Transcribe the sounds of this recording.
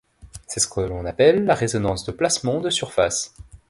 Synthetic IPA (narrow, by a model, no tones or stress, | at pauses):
sɛsə̥kəlɔ̃napɛlːaʁezɔnɑ̃sd̪əplasmɑ̃d̪əsyʁfa̰s